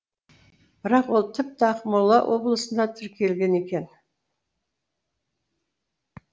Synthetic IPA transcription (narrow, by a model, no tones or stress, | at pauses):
b̥ɪɾɑqwo̞lˠt̪ʰɪp̚t̪ɪɑqmʊɾlˠːɑ̰wʔo̞̰blˠəsənd̪ɑt̪ʰʏɾkʲie̞lɡʲe̞ne̞kʲe̞n